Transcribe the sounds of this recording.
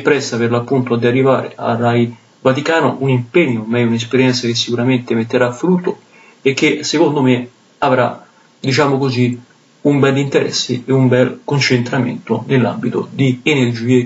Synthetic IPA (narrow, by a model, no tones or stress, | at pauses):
pɾɛsːapɪrlapːunt̪oad̪iarːiva̰ːɾḛa̰raj | vat̪ikaːno̰ʔunimpeɲːoːmːɛjunespeɾjɛnt̪sakes̬ːikuɾament̪ɪmet̪ːeɾafːɾut̪ːo | ek̟ːesːekond̪ome | avɾa̰ | d̪it͡ʃaːmokozi | umbɛlːint̪eɾɛ̰sːɪ̰eumbɛlkont͡ʃent̪ɾamḛnt̪onelːa̰mbit̪o̰d̪iːnerd͡ʒiːe